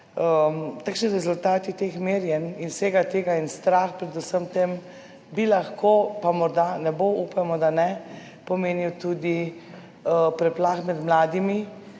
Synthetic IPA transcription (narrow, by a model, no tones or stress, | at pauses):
ət̪akʃniɾɛzult̪aːt̪it̪exmeːɾjɛninseːɡat̪eːɡainst̪ɾaːxpɾɛd̪usəmt̪em | bilaxkopamɔɾd̪anɛboʔuːpamɔd̪anɛ | pɔmeːniwt̪ud̪i | pɾɛplaːxmɛd̪mlaːd̪imi